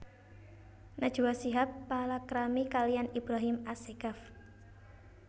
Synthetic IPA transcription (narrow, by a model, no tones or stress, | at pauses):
nad̥ʒ̥uwasiɦapːalakɾamikalianibɾaɦimaseɡaf